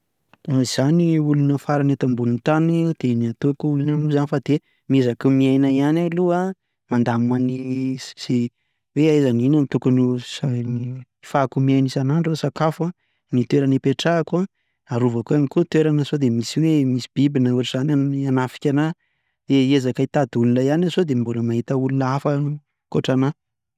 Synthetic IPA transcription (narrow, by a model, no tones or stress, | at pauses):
aiz̥aniulunəfaɾanet̪ambunint̪anid̪̥eniat̪okuulunanuzanifad̪e | miezakumiajnaianalua | mand̪amanisi | weazaninamit̪ukanusani | fakumiajnisanaɳʈ͡ʂasakafa | nit̪weɾanipeʈ͡ʂakua | aɾuvakuamikut̪weɾanasod̪emisiwemisi̥b̥ibinəuaʈ͡ʂiz̥anananafi̥kʲana | d̪eezakait̪ad̪ulunajanazod̪embuləmaɦit̪əulunaafə | koʈ͡ʂana